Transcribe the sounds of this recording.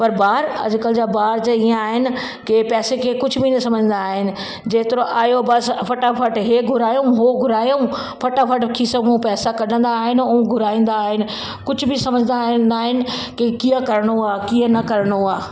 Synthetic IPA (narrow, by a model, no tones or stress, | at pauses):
pɐɾbaːɾɐ̰d͡ʑʊkəld͡ʑaːbaːɾd͡ʑeijãaːɦɪnɪ̆ | kepɛːsekʰekʊd͡ʑʱbʱinɐsɐməd͡ʑʱən̆d̪aːɦɪnɪ̆ | d͡ʑeːt̪ɪɾoʔaːjobɐspʰɐʈapʰɐʈɦeːɡʱʊɾaːjõɦoɡʱʊɾaːjõ | pʰɐʈafʰɐʈkʰisɐmũpɛːsakɐɽə̃nd̪aːɦɪnũũɡʱʊɾaːĩːn̆d̪aːɦɪnɪ̆ | kʊd͡ʑʱʊ̆bʱɪsɐməd͡ʑʱə̃nd̪and̪aːɦɪnɪ̆kekiːə̃kɐɾɽ̃oaːkiːə̃nɐkɐɾɽ̃oaː